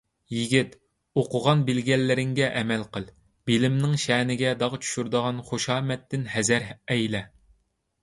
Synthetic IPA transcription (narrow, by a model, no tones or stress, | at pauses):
jiɡʲit̪ | oqʊʁɑnbɪlɡʲɛlːɪɾɪŋɡʲɛʔɛmɛlqəlˠ | b̥ilɪmnɪŋʃɛːnɪɡʲɛd̪ɑʁt͡ʃʰy̥ʃyɾd̪əʁɑnχoʃɑːmɛt̪ːɪnhɛzæɾɛjlɛ